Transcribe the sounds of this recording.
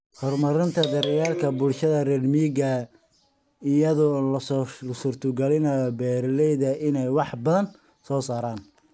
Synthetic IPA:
hɔrmɐɾɪnt̪ʰɐd̪ɐɾɪjaːlkʰɐbʊlʃɐðɐrɛlmiːɡɐ | ɪjɐðʊlslʊsʊrt̪ʰʊɡɐlɪnɐjɔbɛːɾlɛjðɐʔɪnɛjwɑħbɐðɐn | sɔːsaːɾaːn

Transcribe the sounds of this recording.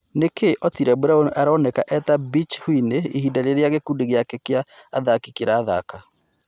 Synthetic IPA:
nekeʔɔtiɾɛbuɾaonaɾɔnɛkaʔɛt̪abit͡ʃhwineihidaɾeɾeaɣekuːdeɣejakekeaː | ðakikeɾaːða̰ka

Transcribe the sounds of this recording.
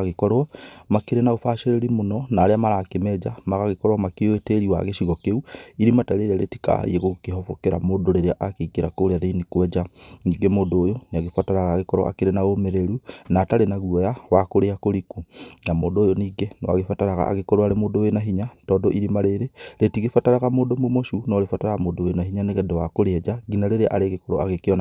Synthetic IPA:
aɣekɔɾwɔmakeɾenaofaʃeɾeɾimonɔnaːɾeamaɾaːkemɛd͡ʒamaɣaɣekɔɾwamakeoeteɾiwa̰ɣeʃiɣɔkeuiɾimataɾeɾaɾḛti̥ka̰ieɣokehɔfokeɾa̰moːdoɾeɾeaʔakekeɾakoɾeaðenikwɛd͡ʒaniːɡemoːndoːjoneaɣefataɾaɣaːɣekɔɾwa̰ʔa̰keɾenaomeɾeɾunataɾenaɣuɔjawakoɾeakoɾikunamoːndoːjoniɡenɔwa̰ɣefataɾaɣa̰a̰ɣekɔɾoaɾemoːdowenaɦiɲatɔdɔʔiɾimaɾeɾeɾetiɣefataɾaɣamoːdomomoʃunɔɾefataɾaamoːdowenaɦiɲaneɣɛndɛwakoɾeɛd͡ʒaɡinaɾeɾeʔaɾeɣekɔɾo̰aɣekeɔna

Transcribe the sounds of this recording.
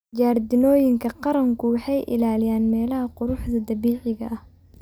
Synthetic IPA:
d͡ʒaːrd̪ɪnɔːjɪŋkʰɐqɑɾɐŋkʰʊwɑħɑjʔɪ̰laːlɪjaːnmɛːlɐɦɐqʊɾʊħd̪ɐd̪ɐβiːʕɪɣɐʔɐh

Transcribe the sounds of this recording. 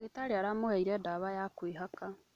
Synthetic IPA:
ɣetaɾeaɾamohaiɾɛdaβajakwiɦaka

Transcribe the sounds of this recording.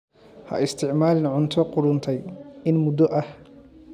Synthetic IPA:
hɐ̰ʔɪst̪ʰɪʕmaːlɪnʕʊnt̪ʰɔqʊɾʊnt̪ʰɛjɪnmʊd̪ɔʔɐh

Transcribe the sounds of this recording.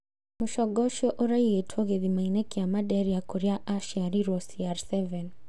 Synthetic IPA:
muʃɔɡɔʃɔʔoɾaietʰwɔɣeðimainɛkiamaɗɛɾijakuɾɛaʔaʃiaɾiɾɔsiaɾsɛvɛn

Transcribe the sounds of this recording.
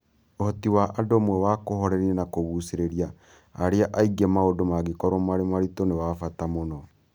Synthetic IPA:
ohɔtiwaʔadoːmwɛwakohɔɾɛɾiɛnakoβuseɾeɾia | aɾeaʔaiɡɛmaodomaɡekɔɾomaɾemaɾitonewafatamonɔ

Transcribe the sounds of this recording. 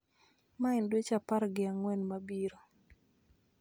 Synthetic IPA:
maɪndwet͡ʃapaɾɡɪaŋwɛnmabiɾo

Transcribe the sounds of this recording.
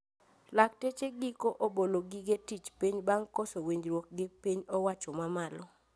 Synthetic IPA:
laktet͡ʃeɡikoʔoboloɡɪɡetit͡ʃpiɲbaŋkɔsowiɲd͡ʒɾwok̚ɡɪpiɲɔwat͡ʃɔmamalɔ

